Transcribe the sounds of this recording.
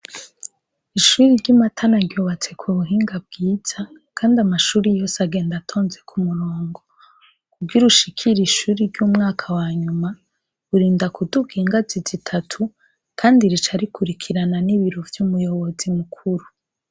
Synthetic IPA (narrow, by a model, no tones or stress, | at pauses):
iʃuːɾiɾɟamatʰanaɾɟoβat͡se̞kʰuβuɦiːŋɡab̚ɡiːz̥a | kʰaːndiamaʃuːɾijo̞ːsaɡe̞ːndatʰo̞ːnze̞kʰumuɾoːŋɡo̞ | kuɡiɾuʃikʰiɾiʃuːɾiɾɟuːmŋaːkʰawaɲuma | uɾiːndakuduɡiːŋɡazizitʰatʰu | kʰaːndiɾit͡ʃaɾikʰuɾikʰiɾananiβiɾo̞vjuːmujo̞βo̞zimukʰuɾu